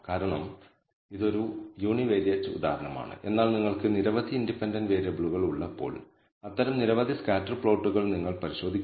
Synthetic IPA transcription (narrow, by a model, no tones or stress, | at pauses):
kaːɾɐɳɐm | iðo̞ɾujuːɳiʋeːɾjɐːt͡ɕːɐṵd̪a̰ːhɐɾɐɳɐma̰ːɳɨ̰ʔe̞nːaːɭniŋːɐɭkɨniɾɐʋɐd̪ʱiːndipːendɐnʋeːɾɐbɭuɣɐɭuɭːɐpːo̞̰ːɭ | ɐt̪ːɐɾɐmniɾɐʋɐd̪ʱiskaːtːɐrpɭoːʈːuɣɐɭniŋːɐɭpɐɾiɕo̞ːd̪ʱikʲː